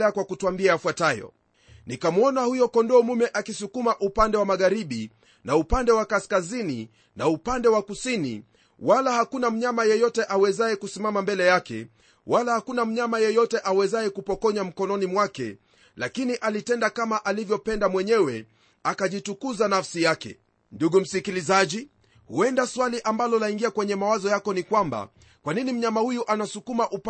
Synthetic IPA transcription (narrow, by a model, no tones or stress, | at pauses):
ɛakwakutuambiaːfwatajɔ̰ | nikamuɔnahujɔkɔndɔːmumɛʔakisukumaʔupandɛwamaɠaɾiɓi | naupandɛwakaskazini | naupandɛwakusinḭ | walahakunam̩ɲamajɛjɔtɛʔawɛzaɛkusimamambɛlɛjakɛ̰ | wʔalahakunam̩ɲamajɛjɔtɛʔawɛzaɛkupɔkɔɲam̩kɔnɔnimwakɛ̰ | lakiniʔalitɛndakamaʔalivjɔpɛndamwɛɲɛwɛ | akaʄitukuzanafsijakɛ̰ | nduɠum̩sikilizaʄi | huɛndaswaliʔambalɔlaiŋɡiakwɛɲɛmawazɔjakɔnikwamba̰ | kwaninim̩ɲamahujuʔanasukumaʔup